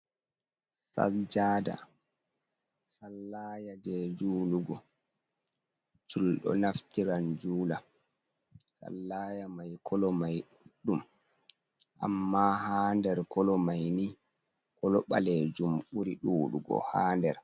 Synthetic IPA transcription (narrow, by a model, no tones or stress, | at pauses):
sa̰d͡ʒaːda̰ | salːaːjadɛd͡ʒuːluɡɔ | t͡ʃulɗɔ̰naftiɾand͡ʒuːla | sa̰lːaːjamajkʰɔlɔmaj | ɗum | ʔa̰mːahaːndɛɾkɔlɔmajni | kɔlɔɓalɛd͡ʒumɓuɾiɗuːlṵɡɔ̰haːndɛɾ